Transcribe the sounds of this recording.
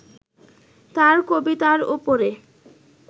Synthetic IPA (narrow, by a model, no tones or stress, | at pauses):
t̪aɾkobit̪aɾupoɾe